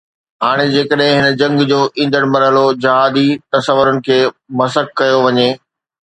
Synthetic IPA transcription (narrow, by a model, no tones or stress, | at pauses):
ɦaːɽ̃ed͡ʑeːkəɗɦɪ̃ɦɪnə̆d͡ʑɐ̃ŋɡd͡ʑoːʔĩːn̆d̪əɽ̃mɐɾɦəlod͡ʑɐɦaːd̪it̪ɐsəʋːʊɾənɪ̆kʰeːmɐsəkːɐjoʋɐɲeː